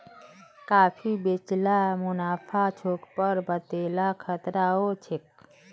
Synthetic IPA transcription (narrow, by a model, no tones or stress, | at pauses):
kaːfʰibet͡ʃlamʊnaːpʰat͡ʃʰoːkpəɾbət̪eːlakʰət̪ɾaɦot͡ʃʰek